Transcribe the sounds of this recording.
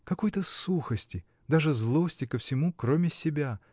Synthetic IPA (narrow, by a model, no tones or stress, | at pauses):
kɐko̞jt̪əsuxəsʲtʲɪ | d̪aʐɨzlˠo̞sʲtʲɪkəfsʲɪmukɾo̞mʲɪsʲɪbʲa